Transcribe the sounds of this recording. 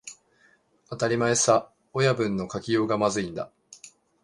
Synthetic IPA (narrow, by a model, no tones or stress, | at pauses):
at̪aɾʲimaesa | ojabɯ̟̃nːo̞kakʲijo̞ːɡamazɨĩnd̪a̰